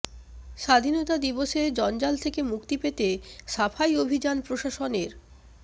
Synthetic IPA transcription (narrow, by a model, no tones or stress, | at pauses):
ʃad̪ʱinot̪ad̪iboʃed͡ʑɔnd͡ʑalt̪ʰekemukt̪ipet̪eʃafʰajobʱid͡ʑanpɾoʃaʃoneɾ